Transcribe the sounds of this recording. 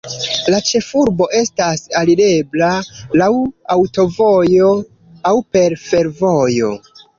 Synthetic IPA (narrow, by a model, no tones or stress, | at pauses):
lat͡ʃe̞fuɾbo̞ʔe̞stasaliɾe̞blalawawto̞vo̞jo̞ | awpe̞ɾfe̞ɾvo̞jo̞̰